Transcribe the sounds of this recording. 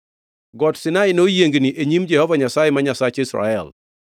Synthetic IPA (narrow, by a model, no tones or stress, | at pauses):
ɡɔtsɪnaɪnojeŋɡniʔeɲimd͡ʒɛhɔvaɲasajɪmaɲasat͡ʃisɾa̰ɛl